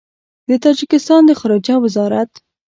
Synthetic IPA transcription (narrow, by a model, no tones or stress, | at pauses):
d̪ət̪ɑd͡ʒɪkɪst̪ɑnd̪əxaɾɑd͡ʒawɪzɑɾat̪